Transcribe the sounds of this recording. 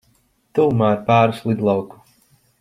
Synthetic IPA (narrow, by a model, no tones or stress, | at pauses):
t̪uːmaːɾpaːɾuslˠid̪lˠawku̥